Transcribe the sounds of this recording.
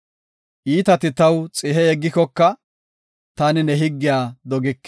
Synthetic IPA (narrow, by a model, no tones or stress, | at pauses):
ʔiːt̪ɐt̪ɪt̪ɐwt͡sʼɪɦɛɛɡːɪkɔkːɐ | t̪aːnɪnɛɦɪɡːɪjaːd̪ɔɡɪkː